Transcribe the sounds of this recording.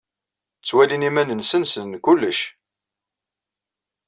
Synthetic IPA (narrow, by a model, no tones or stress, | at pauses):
t͡sːwælinimænənsənsənkulːəʃ